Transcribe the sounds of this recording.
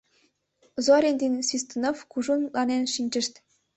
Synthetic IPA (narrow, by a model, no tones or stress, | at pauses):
zoɾʲenʲd̪inʲsvʲist̪unofkuʐunlɑnenʃinʲt͡ɕɘ̆ʃt̪ʲ